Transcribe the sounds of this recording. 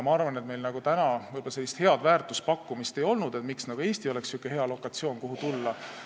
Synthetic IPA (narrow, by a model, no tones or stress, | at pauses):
mɑɑrvɑne̞t̪me̞jlnɑɡ̥ut̪ænɑvɯjb̥olɑselːist̪he̞ɑd̪̥væːrt̪ˑuspɑkːumist̪e̞jo̞lnud̪̥e̞t̪miksnɑɡ̥ue̞ːst̪io̞le̞ksukːˑehe̞ɑlo̞kːˑɑt̪sio̞ːnkoɦut̪ulːɑ